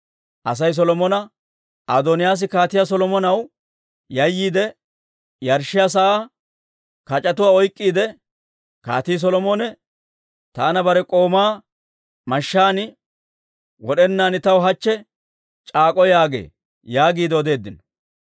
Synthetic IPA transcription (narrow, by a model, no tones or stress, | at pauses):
ʔɐs̬ɐjs̬ɔlɔmɔnɐ | ad̪ɔnɪjaːs̬ɪkaːt̪ɪjas̬ɔlɔmɔnɐw | jɐjːiːd̪ɛ | jɐɾʃɪjas̬ɐʔaː | kɐt͡ʃʼːɐt̪ʊwaːɔjkʼːiːd̪ɛ | ka̰ːt̪iːs̬ɔlɔmoːnɛ | t̪aːnɐbɐɾɛkʼo̞ːmaː | mɐʃːaːnɪ | wɔɗɛnːaːnɪt̪ɐwɦɐt͡ʃːɛ | t͡ʃʼaːkʼɔjaːɡḛː | jaːɡiːd̪ɛɔd̪e̞ːd̪ːɪnɔ̥